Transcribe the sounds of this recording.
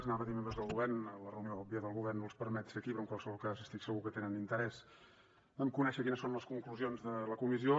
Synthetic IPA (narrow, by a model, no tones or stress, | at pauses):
znaβəðimembɾəzðəlˠɣuβɛrnələrəunioɔpiəðəlˠɣuβɛrnulˠspəɾmɛt̪seəkipɾɔəŋkwalˠsəβɔlˠkazəst̪iksəɣukət̪enənint̪əɾɛz | ɛmkunɛʃəkinəsːonləskuŋkluzionzðələkumizio